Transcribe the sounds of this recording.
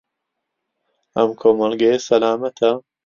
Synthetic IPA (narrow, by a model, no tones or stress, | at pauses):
ʔɐmkʰoːmɐlɡɐjesɐlaːmɐt̪ʰɐ